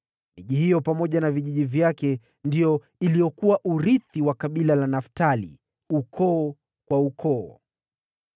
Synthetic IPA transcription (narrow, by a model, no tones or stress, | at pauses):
miʄihijɔpamɔʄanaviʄiʄivjakɛ | ndijɔ | ilijɔkuwaʔuɾiθiwakaɓilalanaftalḭ | ukʰɔː | kwaukʰɔː